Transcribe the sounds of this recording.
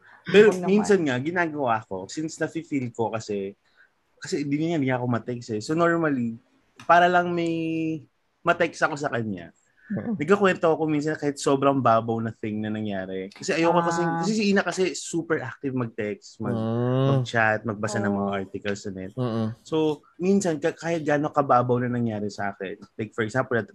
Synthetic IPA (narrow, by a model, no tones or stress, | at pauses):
pɛɾominsɐnŋaɡɪnaːɡɐwaɐko̞sinsnɐfɪfilko̞kɐsɛ | kɐsɛnd̪inɐŋand̪ɪŋaʔɐko̞mɐt̪ɛksɛsono̞ɹmɐli | paːɾɐlɐŋmɐj | mɐt̪ɛksɐko̞sɐkɐɲa̰ | nɐɡ̚kːɐkwɛnt̪oɐko̞mins̬ɐnkaːhɪt̪̚so̞bɾɐŋbaːbɐwnɐθɪŋnɐnɐŋjaːɾɛkɐsɛʔɐjowkokɐsɛkɐsɛsɪʔiːnɐkɐsɛsuːpɛɹʔak̚t̪ɪvmɐɡ̚t̪ɛkst̪mɐɡmɐɡ̚t͡ʃat̪̚mɐɡ̚bɐsanɐŋmɐŋaʔaɹt̪ɪkɐlsɐnɛ̰t̪̚so | minsɐnkɐkaːhɪt̪̚ɡaːnokɐbaːbɐwnɐnɐŋjaːɾɛsɐʔaːkɛ̰nlɐjk̚fɔɹɛksampɛlɐt̪